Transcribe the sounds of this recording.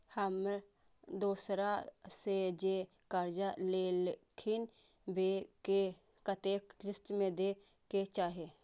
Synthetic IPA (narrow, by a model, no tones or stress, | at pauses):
həm | d̪oːsɾased͡ʒe | kəɾd͡ʒalelkʰɪn | bʱeke | kət̪ekd͡ʒɪsʈmẽd̪eː | ket͡ʃaːɦe